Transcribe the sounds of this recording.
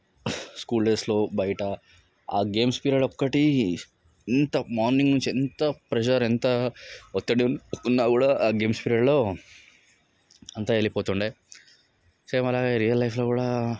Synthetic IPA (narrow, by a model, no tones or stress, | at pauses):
skuːlɖeːsloːbɐjɐʈɐ | a̰ːɡe̞ːmspiːɾɐːɖɔkːɐʈi | ent̪ɐmaːɾniŋɡnunt͡ʃiɛnt̪ɐpɾɛd͡ʒɐɾent̪ɐɔt̪ːɐɽinunːaːkuːɽaːɡe̞ːmspiɾaːɖlo̞ː | ɐnt̪aelipoːt̪uɳɖeː | sɐmɐlaːɡeɾijɐlːɐjpʰlo̞ːkuːɽaː